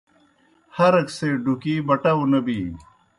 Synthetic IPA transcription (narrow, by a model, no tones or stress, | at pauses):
hɐɾɐkseɖukiːbɐʈaunɐbiː